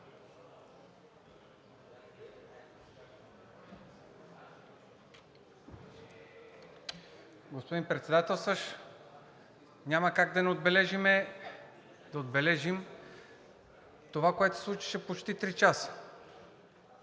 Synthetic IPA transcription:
ɡospod̪inpɾɛt̪sɛd̪at̪ɛlˠsəʃ | nʲaməkaɡd̪ɐnɛod̪bɛlɛʒimɛ | d̪̥ɐod̪bɛlɛʒim | t̪ovakoɛt̪o̥slˠut͡ʃi̥ʃɛpot͡ʃt̪it̪ɾit͡ʃasə̥

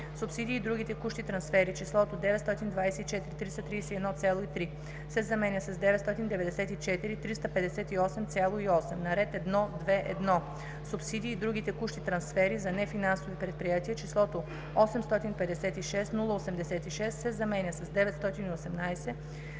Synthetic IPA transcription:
supsid̪iːd̪ɾuɡ̟it̪ɛkuʃt̪it̪ɾɐnsfɛɾit͡ʃislˠɔt̪od̪ɛvɛt̪st̪ɔt̪ind̪vajsɛit͡ʃɛt̪iɾit̪ɾisɐt̪ɾijsɛiɛd̪nɔt̪sʲalˠoit̪ɾi | sɛzɐmɛnʲəsɐzd̪ɛvɛt̪st̪ɔt̪ind̪ɛvɛd̪ɛsɛt̪it͡ʃɛt̪iɾit̪ɾist̪ɐpɛd̪ɛsɛt̪iɔsɛmt̪sʲjalˠoiɔsɛmnɐɾɛt̪ɛd̪nɔd̪vɛʔɛ̰d̪nɔ | supsid̪iːd̪ɾuɡ̟it̪ɛkuʃt̪it̪ɾɐnsfɛɾizɐnɛfinansovipɾɛt̪̚pɾijat̪iət͡ʃislˠɔt̪o | ɔsɛmst̪ɔt̪inpɛd̪ɛsɛt̪iʃɛst̪nulˠəosɛmd̪ɛsɛt̪iʃɛst̪sɛzɐmɛnʲəsɐzd̪ɛvɛt̪st̪ɔt̪iniosɛmnajsɛ

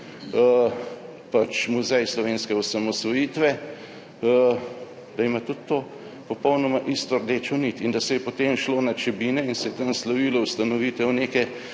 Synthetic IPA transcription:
pat͡ʃmuzɛjslɔʋeːnskɛɔsamɔsʋɔjiːt̪ʋɛ | ə | d̪̥ɐimat̪ut̪ːoː | pɔpɔwnɔmaʔist̪ɔɾd̪eːt͡ʃonit̪ind̪ɐsɛjɛpɔt̪eːmʃloːnat͡ʃɛbiːnɛinsɛjɛt̪anslɐʋiːlɔwst̪anɔʋiːt̪ɛwneːkɛ

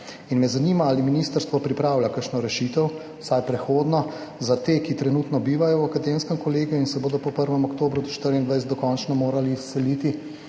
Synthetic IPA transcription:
inmɛzaniːmaaːliminiːst̪əɾst̪ʋɔpɾipɾaːwlʲakəɾʃnɔɾɛʃit̪ɛw | sajpɾɛxoːd̪nɔzat̪eːkit̪ɾɛnuːt̪nɔbiːʋajɔwakad̪emskɛmkɔleːɡijuinsɛboːd̪ɔpɔpəɾʋɛmɔkt̪oːbɾud̪ɔʃt̪əɾind̪ʋajsɛd̪d̪ɔkɔnt͡ʃnɔmoːɾaliːsːɛlit̪i

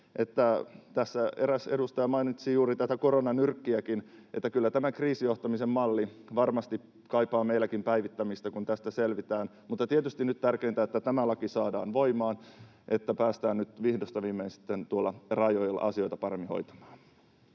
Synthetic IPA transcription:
ʔet̪ːæt̪æsːæeɾæsedust̪ɑjɑmɑinit̪siːjuːɾit̪æt̪ækoronɑnyrkːiækinʔet̪ːækylːæt̪æmækriːsijoht̪ɑmisemmɑlːiʋɑrmɑst̪i | kɑipɑːmeilækimpæiʋit̪ːæmist̪ækunt̪æst̪æselʋit̪æːn | mut̪ːɑt̪iet̪yst̪innyt̪t̪ærkeːnt̪æet̪ːæt̪æmælɑkisɑːdɑ̰ːnʋoimˑɑːn | ʔet̪ːæpæːst̪æːnnyt̪ʋihdost̪ɑʋiːmeinsi̥t̪ːent̪uolːɑrɑjojlːɑ̰ʔɑsio̞jt̪ɑpɑɾemːiho̞̰jt̪ɑ̥mɑ̥ːn

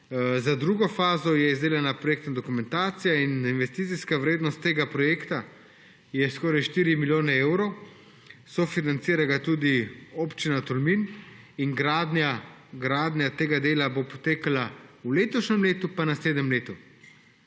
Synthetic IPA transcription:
zad̪ɾuːɡɔfaːzɔjɛizd̪eːlɛnapɾɔjeːkt̪nad̪ɔkumɛ̃nt̪aːt̪sijaininʋɛst̪it̪iskaʋɾeːd̪nɔst̪ːeːɡapɾɔjeːkt̪a | jɛskɔːɾajʃt̪iːɾimiljoːnɛeːwɾow | sɔfinant̪siːɾaɡat̪ud̪ioːpt͡ʃinat̪ɔlmin | iŋɡɾad̪na | ɡɾaːd̪nʲjat̪eːɡad̪eːlabopɔt̪eːkalauleːt̪ɔʃnʲɛmleːt̪upanasleːd̪nɛmleːt̪u

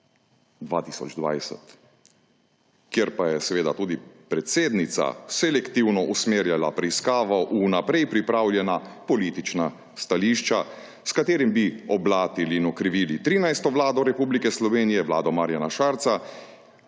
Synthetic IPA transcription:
d̪ʋaːt̪iːsɔ̰d͡ʒd̪ʋa̰jsɛ̰t̪ | kjeɾpajɛsɛʋeːd̪at̪uːd̪ipɾɛt̪seːd̪nit̪sa̰sɛlɛkt̪iwnɔʔusmeːɾjalapɾɛiskaːʋɔʔunapɾɛjpɾipɾaːwlʲjɛnapɔliːt̪it͡ʃna | st̪aliʃt͡ʃa | skat̪eːɾimbiɔblaːt̪iliːnɔkɾiʋiːlit̪ɾiːnajst̪ɔʋlaːd̪ɔɾɛpublikɛslɔʋeːnijɛʋla̰ːd̪ɔmaɾjanaʃaːɾt̪sa

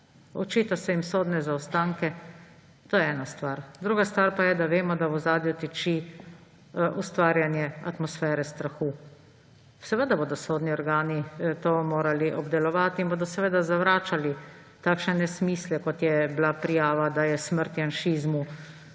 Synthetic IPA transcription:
ɔ̰t͡ʃiːt̪asɛimsoːd̪nɛzaɔst̪aːŋkɛ | t̪oːjɛɛːnast̪ʋaɾd̪ɾuːɡast̪ʋaːɾpajɛd̪aʋeːmɔd̪aɔzaːd̪jɔt̪ɛt͡ʃi | ust̪ʋaːɾjanjɛa̰t̪mɔsfɛːɾɛst̪ɾaxu̥ː | sɛʋəd̪aboːd̪ɔsoːd̪niɔɾɡaːnit̪omoːɾaliʔɔbd̪ɛlɔʋaːt̪iinboːd̪ɔsɛʋeːd̪azaʋɾaːt͡ʃali | t̪akʃnɛnɛsmiːslɛkɔt̪jɛblapɾijaːʋad̪ajɛsməɾt̪janʃiːzmu

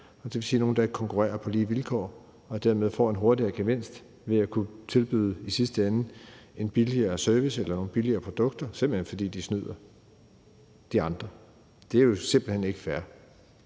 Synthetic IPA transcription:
ɒd̥eʋe̝lsiːno̝ːn̩d̥ɑe̝ɡ̥ə̥kʰɒ̽ŋkʰuʁɛ̰ːɐpʰɒ̽liːʋilkʰɒ̰ː | ɒ̽d̥æɐ̰me̝ðˠfɒ̰ːe̝nɦo̝ɐd̥iɐɡ̥eʋen̰sd̥ | ʋe̝ækʰut͡sʰe̝lb̥y̰ðˠəisisd̥əæn̩e̝nb̥iliɐːsœɐʋiselɐno̝ːn̩b̥iliɐːpʰʁod̥ɔ̽ɡ̥̚d̥ɐsemb̥l̩henfɒ̽d̥ḭːd̥isnyð̞̰ˠɐ | d̥iɑ̈nd̥ʁɐ | d̥e̝æɐjo̝se̝mb̥l̩hene̝ɡ̥fæɐ

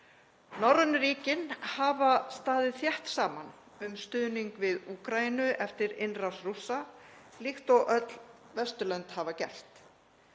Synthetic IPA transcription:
nɔwɾðʏnʏɾiːcɪnhavast̪aːðɪθjɛht̪saːman | ʏmst̪ʏːðniŋkvɪðuːkɾainʏʔɛft̪ɪɾɪnrasrusːalixt̪ɔʔœt̪lvɛst̪ʏlœnt̪havacɛ̰l̥t̪

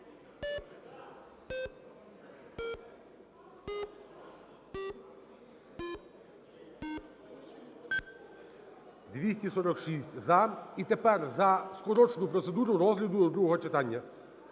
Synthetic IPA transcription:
d̪ʋʲisʲtʲisɔɾɔkʃisʲtʲzɐit̪e̞pɛrzɐskɔɾɔt͡ʃnʊpɾɔtse̞d̪uɾʊɾɔzɦlʲɐd̪ʊd̪ɾuɦɔɦɔt͡ʃet̪ɑnʲːɐ

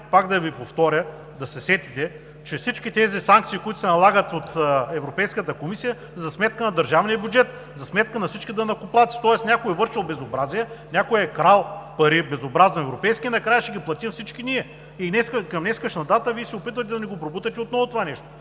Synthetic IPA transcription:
pakd̪ɐvipoft̪ɔɾʲə | d̪ɐsɛsɛt̪it̪ɛ | t͡ʃɛfsit͡ʃkʲit̪ɛzisaŋk̚t̪siːkʊit̪ʊ̥sɛnɐlˠaɡət̪ot̪ːɛvɾopɛjskət̪əkomisijə | zɐsmɛt̪kənɐd̪ɐɾʒavniəbjudd͡ʒɛt̪ | zɐsmɛt̪kənɐfsit͡ʃkʲid̪ɐnɐkʊplˠat̪si̥t̪ɔɛsnʲakojɛvɤɾʃilˠbɛzobɾaziɛnʲakojɛkɾalˠpɐɾibɛzobɾaznoɛvɾopɛjskʲiɛnɐkɾajəʃɛɡʲiplˠɐt̪imfsit͡ʃkiniɛ | inɛskəkɐmnɛskəʃnɐd̪at̪əviɛsɛopit̪vət̪ɛd̪ɐnʲɛɡopɾobut̪ɐt̪ɛot̪nɔvʊt̪ovanɛʃt̪o

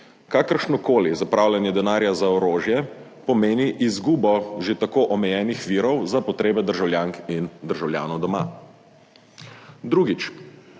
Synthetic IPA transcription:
kaːkəɾʃnɔkoːlizapɾaːwlʲjɛnjɛd̪ɛnaːɾjazaɔɾoːʒjɛ | pɔmeːniʔizɡuːbɔʒet̪akoːʔɔmɛjɛːnixʋiɾɔwzapɔt̪ɾeːbɛd̪əɾʒawlʲjaːŋkind̪əɾʒawlja̰ːnɔwd̪ɔma̰ | d̪ɾuːɡit͡ʃ

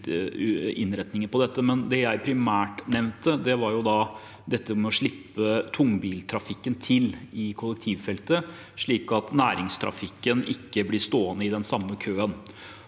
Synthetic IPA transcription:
ɪ̰nːɾɛt̪nɪŋəpʰɔd̪ɛt̪ːəmɛnd̪ɛjæɪpʰɾɪmæːʈnɛʋnt̪əd̪ɛʋɑɾjʊd̪ɑ | d̪ɛt̪ːəmɛɔʂɭɪpːət̪ʰʊŋːbiːlt̪ʰɾɑfɪkːənt̪ʰɪlɪkʰɔlːəkt̪ʰiːʋfɛlt̪ə | ʂɭiːkɑt̪næːɾɪŋst̪ʰɾɑ̰fɪkːənɪ̰kːəblɪst̪oːənəɪd̪ɛnsɑmːəkʰøːən

